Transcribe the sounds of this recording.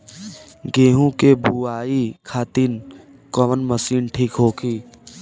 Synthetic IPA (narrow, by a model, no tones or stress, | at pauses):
ɡeːɦũkebuaːikʰaːt̪iːn | kɔʋənməsiːnʈʰiːkɦoːkʰiː